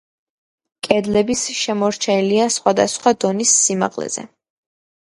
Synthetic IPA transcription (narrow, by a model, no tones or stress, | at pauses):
kʼɛd̪lɛbisʃɛmɔɾt͡ʃʰɛiliasχwad̪a̰sχwad̪ɔnisːima̰qʼlɛ̰z̥ɛ̰